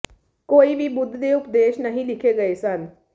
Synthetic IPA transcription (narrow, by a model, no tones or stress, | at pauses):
koːibʱibʊd̪ʱːd̪eupd̪eːʃnɐɦĩlikʰeɡəesən